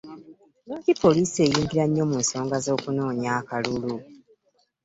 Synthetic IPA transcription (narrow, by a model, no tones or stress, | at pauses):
nocipːo̞liːsie̞ːjiːŋɡiɾaɲːo̞munso̞ːŋɡazo̞ːkuno̞ːɲaːkalulu